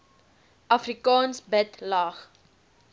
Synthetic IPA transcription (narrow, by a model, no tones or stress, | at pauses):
ʔɐfrikɑːnsbətlɑːχ